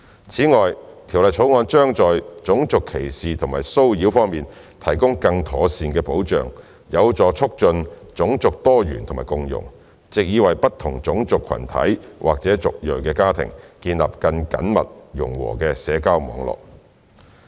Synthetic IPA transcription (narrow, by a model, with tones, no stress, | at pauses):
t͡sʰiː˨˥ŋɔː˨jt̪ʰi˨˩wlɐ˨jt͡sʰo˨˥wŋɔː˨˧nt͡ʃœː˥ŋt͡sɔː˨jt͡sʊ˨˥ŋt͡sʊ˨kʰːe˨˩jsiː˨t̪ʰʊ˨˩ŋmaː˨˩jso˥wjiː˨˥wfɔː˥ŋmiː˨n | t̪ʰɐ˨˩jkʊ˥ŋkɐ˧ŋt̪ʰɔː˨˥siː˨˧nkɛː˧po˨˥wt͡ʃœ̰ː˨ŋ | jɐ˨˧wt͡sɔː˨˥t͡sʰʊ˥k̚t͡ʃɵ˧nt͡sʊ˨˥ŋt͡sʊ˨k̚t̪ɔː˥jy̰ː˨˩nt̪ʰʊ˨˩maː˨jkʊ˧ŋjʊ̰˨˩ŋ | t͡sɪ˨k̚jiː˨˧wɐ˨jpɐ˥t̪ʰːʊ˨˩ŋt͡sʊ˨˥ŋt͡sʊ˨kʰːɐ̰˨˩nt̪ʰɐ̰˨˥jwʔa̰ː˨k̚t͡sɛː˨˥t͡sʊ˨k̚jɵ˨ɥkɛː˧kaː˥t̪ʰɪ̰˨˩ŋkiː˧nla̰ː˨p̚kɐ˧nkɐ̰˨˥nmɐ̰˨t̚jʊ˨˩ŋwɔ̰ː˨˩kɛː˧sɛː˨˧kaː˥wmɔ̰ː˨˧ŋlɔ̰ː˨k̚